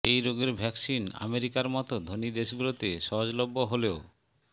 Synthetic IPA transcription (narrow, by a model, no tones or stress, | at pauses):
ejɾoɡeɾbʱɛksina̰meɾikaɾmɔt̪od̪ʱonid̪eʃɡulot̪eʃɔɦod͡ʑlobːoɦoleo